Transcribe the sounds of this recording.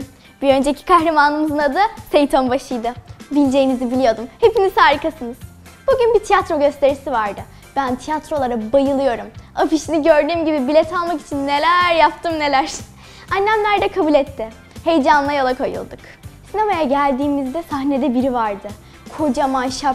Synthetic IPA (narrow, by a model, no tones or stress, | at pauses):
biø̞nd͡ʒe̞cʰi̥kʰaɦɾemanɯmɯzɯnad̪asejt̪ʰanbaʃɯjd̪ɯbilʲd͡ʒe̞jinizibilʲijo̞d̪umhe̞pinizhaːɾɯkʰasɯnɯz̥ | buɟynbit̪ʰijat̪ɾo̞ɟø̞st̪ʰe̞ɾisivaɾd̪ɯ | b̥ænt̪ʰijat̪ɾo̞lˠaɾabajɯlˠɯjo̞ɾumafiʃiniɟø̞ɾd̪yːmɟibibilʲɛt̪ʰalˠmaki̥t͡ʃʰinːe̞lʲæɾjap̚t̪ʰɯmne̞lʲæɾ̥ | anːæmlʲæɾd̪ɛkʰabulʲɛt̪ʰːɪ | he̞jd͡ʒanlˠajalˠakʰojɯ̰lˠd̪uk | sine̞majaɟælʲd̪iːmizd̪ɛsaɦne̞d̪ɛbiɾivaɾd̪ɯ | kʰo̞d͡ʒamanʃap